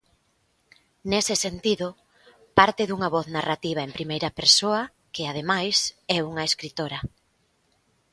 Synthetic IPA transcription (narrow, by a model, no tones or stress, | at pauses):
nesɪsent̪iðʊ | paɾt̪ɪðuŋɐβɔθnarat̪iβ̞aempɾimejɾɐpeɾsoɐ | kɪað̞emajsɛuŋɐeskɾit̪oɾɐ